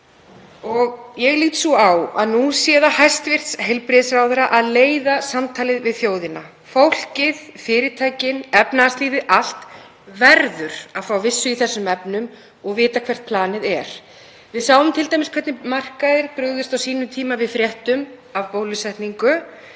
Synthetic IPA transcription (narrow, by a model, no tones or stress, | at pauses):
ɔɣjɛɣliːt̪suawa̰ðnusjɛːðahajst̪vɪr̥t̪sɦejlpɾɪðsɾawðʏɾaʔaðleːjðasamt̪ʰaːlɪðvɪðθjoːwðɪna | fowl̥cɪð̥fɪːɾɪt̪ʰaːjcɪnɛpnaast̪liːðɪʔal̥t̪ | vɛɾðʏɾ̥aðfawvɪsːʏiθɛsːʏmɛpnʏm | ɔɣvɪːt̪akʰvɛr̥t̪̚pʰlaːnɪðɛɾ̥ | vɪðsaːwvʏmt̪ʰɪlt̪ajmɪskʰvɛɾt̪nɪmar̥kaðɪɾpɾʏɣðʏst̪awsiːnʏmt̪ʰiːmavɪðfɾjɛht̪ʏm | avpoːwlʏsɛht̪niŋkʏ